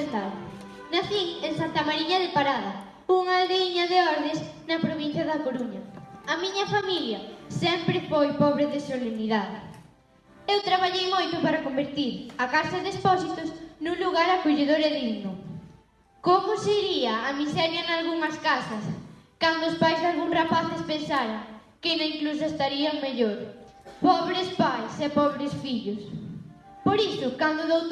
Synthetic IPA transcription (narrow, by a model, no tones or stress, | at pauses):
nt̪að | nɐθiŋeŋsant̪ɐmaɾiɲɐðɪpaɾaðɐ | uŋaðeiɲɐðɪɔɾðɪs | nɐpɾoβin̟θjɐðɐkoɾuɲɐɐmiɲɐfamiljɐsɛmpɾɪfojpɔβɾɪðɪsoleniðaðɪ | ewt̪ɾaβaʎejmojt̪ʊpaɾɐkombeɾt̪iɾɐkasɐðespɔsit̪ʊsnũŋluɣaɾɐkoʎeðoɾɛðiɣnʊ | komʊsɪiɾiɐːmisɛɾjɐnalɣuŋɐskasɐskand̪ʊːspajzðalɣuŋrapaθɪspẽnsaɾaŋ | kɪnɐiŋklus̬ɐest̪aɾiɐŋmeʎoɾ | pɔβɾɪspajsepɔβɾɪsfiʎʊs | poɾisʊkand̪ʊðowt̪